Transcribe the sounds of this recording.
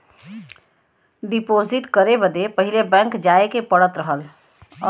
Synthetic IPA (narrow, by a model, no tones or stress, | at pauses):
ɖipoːziʈkəɾebəd̪epəɦilebɛ̃ŋkd͡ʒaekepəɽət̪ɾəɦəlː